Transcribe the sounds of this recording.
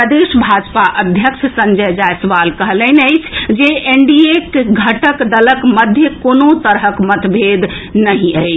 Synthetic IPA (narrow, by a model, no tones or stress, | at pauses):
əd̪eʃbʱad͡ʒpaʔəd̪ʱjəkʃʰsənd͡ʒəjd͡ʒajsəʋalkəɦləɪnəɪt͡ʃʰd͡ʒeʔeɳɖiekɡʱəʈəkd̪ələkməd̪ʱjəkonot̪əɾɦəkmət̪bʱed̪ | nəɦĩəɪt͡ʃʰ